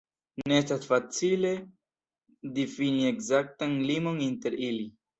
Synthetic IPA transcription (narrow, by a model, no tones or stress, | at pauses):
neest̪asfat͡sile̞ | d̪efiniekzak̚t̪anlimonint̪eɾili